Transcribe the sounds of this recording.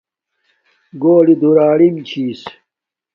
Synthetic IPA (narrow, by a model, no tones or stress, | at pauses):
ɡoːɽid̪uɾaːɽimt͡ɕʰiːs